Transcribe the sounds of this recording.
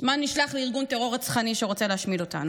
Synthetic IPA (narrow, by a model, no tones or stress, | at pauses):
zmaniʃlaχleiʁɡunteʁo̞ʁat͡sχaniʃeʁo̞t͡seleaʃmido̞t̪a̰nu